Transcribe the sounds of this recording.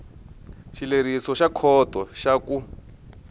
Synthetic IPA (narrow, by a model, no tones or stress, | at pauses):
ʃileɾisɔʃakʰɔtʼɔʃaku